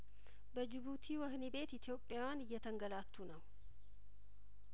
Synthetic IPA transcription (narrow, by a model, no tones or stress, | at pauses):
bɐd͡ʒɪbuːt̪ʰiːwɐhnɪbe̞ːt̪ɪt̪jo̞ːpʼːɪjawaːnɪjːɐt̪ɐŋɡɐlaːt̪ʰːuːnɐwʊ